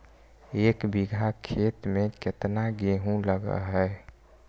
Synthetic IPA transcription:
eːkbiɡʱakʰet̪mẽket̪naɡeɦũləɡə̰ɦɛ

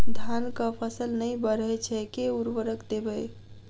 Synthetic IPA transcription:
d̪ʱankəpʰəsəlnəjbəɾət͡ʃʰɛkeuɾʋəɾəkd̪ebəj

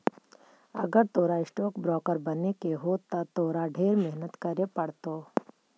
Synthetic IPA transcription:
ə̰ɡəɾt̪oːɾaɪsʈoːkbɾɔːkəɾbənekeɦot̪at̪oːɾaɖʱeːɾmɛɦnət̪kɐɾepɐɽt̪oː

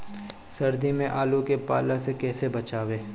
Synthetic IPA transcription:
sɐɾd̪ʱimẽʔaːlukepaːlasekɛːsebɐt͡ʃaːʋeː

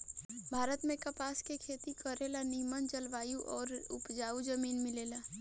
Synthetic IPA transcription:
bʱaːɾət̪mẽkɐpaːskekʰeːt̪ikəɾeːlaniːmənd͡ʒəlʋaːjuʔɔːɾʊ̰pd͡ʒaːud͡ʒəmiːnmɪleːlaː

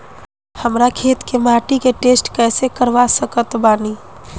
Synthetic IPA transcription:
həmɾakʰeːt̪kemaːʈikeʈeːsʈkɛːsekəɾʋasəkət̪baːni

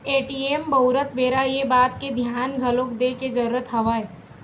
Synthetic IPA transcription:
eːʈieːmbɐʊɾət̪beːɾajebaːt̪̚ked̪ʱjaːnɡʱɐloːkd̪eked͡ʒɐɾuːɾət̪ɦɐʋaːe

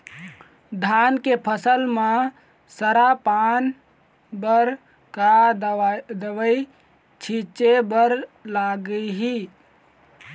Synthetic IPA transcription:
d̪ʱankepʰəsəlmã | səɾapan | bəɾ | ka | d̪əʋəi | t͡ʃʰit͡ʃebəɾlaɡəiɦi

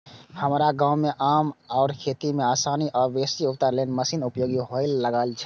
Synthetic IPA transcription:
həmɾaɡãwmeʔamɔʊɾkʰet̪imeasaniʔɔɾbesiupt̪əɾlenməsinupjoɡiɦoɪlːəɡalt͡ʃʰ

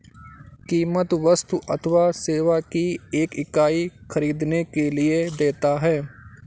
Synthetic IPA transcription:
kiːmət̪ʋəst̪uʔət̪ʰʋaseːʋakieːkɪkaːixəɾiːd̪nekelɪed̪eːt̪aɦɛː

